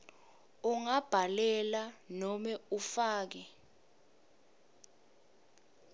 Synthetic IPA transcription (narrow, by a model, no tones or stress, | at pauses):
uŋab̥ʱalɛlanɔmɛufaːk̬ɛ